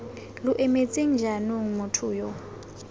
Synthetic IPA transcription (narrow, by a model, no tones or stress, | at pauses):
lʊʔɛmet͡sʼeŋ̩d͡ʒʱanoŋ̩mʊtʰʊːjɔ